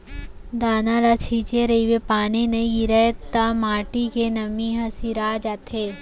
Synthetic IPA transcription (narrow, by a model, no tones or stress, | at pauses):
d̪aːnalat͡ʃʰiːt͡ʃeɾɐiwepaːninɐiɡiɾɐt̪ːamaːʈikenɐmiɦɐsiɾaːd͡ʒat̪ʰe